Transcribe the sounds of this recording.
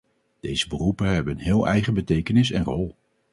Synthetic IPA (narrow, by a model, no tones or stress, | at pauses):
d̥ejz̥əbərupəɦɛbəənɦɪːlˠɛ̰jχəbətejkənɪsɛnrɔlˠ